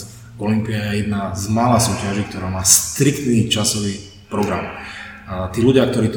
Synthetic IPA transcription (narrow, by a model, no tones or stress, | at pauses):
ɔlimpiajɛjɛd̪nazmalaːsuːcaʒik̚t̪ɔɾaːmaːst̪ɾikt̪niːt͡ʃasɔʋiː | pɾɔɡɾam | t̪iːluɟɪak̚t̪ɔɾiːt̪